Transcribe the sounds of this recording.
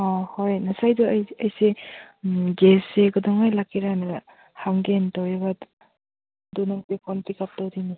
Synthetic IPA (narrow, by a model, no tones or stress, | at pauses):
ɔhojnasajdɔjɐjse | ɡeseɡɔdɔŋajlakʰiɾanɐ | haŋɡentɔwjebat | dunɔŋtekʰɔnpʰikap̚tɔwdini